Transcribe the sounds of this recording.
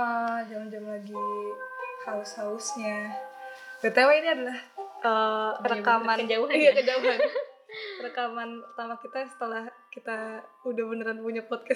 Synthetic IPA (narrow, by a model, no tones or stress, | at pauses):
əd͡ʒamd͡ʒamlaɡi | haʊshaʊsɲa | dət̪awainiadalahʔərəkamanijakəd͡ʒauan | rəkamanpərt̪amakit̪asə̥t̪əlahkit̪a | udahbənəɾanpuɲapɔt̪̚ka